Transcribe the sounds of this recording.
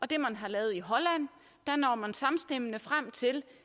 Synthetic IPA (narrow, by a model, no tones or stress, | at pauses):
ʔɒ̽d̥e̝mænɦɑ̈lɛːð̩ˠiɦɒ̽læn̰ | d̥ænɒ̰ːmænsɑ̈msd̥emənəfʁam̰t͡sʰe̝l